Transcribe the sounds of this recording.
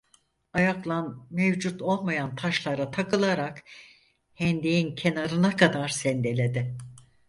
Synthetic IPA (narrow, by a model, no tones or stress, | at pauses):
ajaklˠanmevd͡ʒut̪ʰo̞lˠmajant̪ʰaʃlˠaɾat̪ʰakɯlˠaɾak | hɛnd̪ejincʰe̞naɾɯnakʰad̪aɾsɛnd̪e̞lʲe̞d̪ɪ